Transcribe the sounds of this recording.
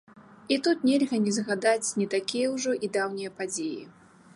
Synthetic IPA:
it̪ut̪nʲelʲɣɐnʲɛzɣad̪at͡sʲnʲit̪akʲijɐwʐɔʔid̪awnʲijɐpad͡zʲejḭ

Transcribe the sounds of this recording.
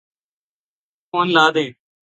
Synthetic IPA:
koːnlaːd̪ẽː

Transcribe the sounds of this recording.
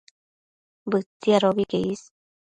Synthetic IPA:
bɨt͡siaɾoβikeis

